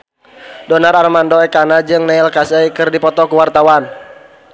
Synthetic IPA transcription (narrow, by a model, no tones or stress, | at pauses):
dɔnararmandɔɛkanad͡ʒɨŋnailkasɛikɨrdipɔt̪ɔkuwart̪awan